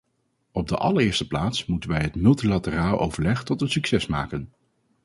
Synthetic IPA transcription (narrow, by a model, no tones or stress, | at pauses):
ɔb̚dəʔɑ̰ləɹɪːɹstə̥plaːtsmutənʋɛjɦətmɵlˠtilatəraːlˠʔowv̥əɹlɛχtɔtətsyksɛsma̰ːkən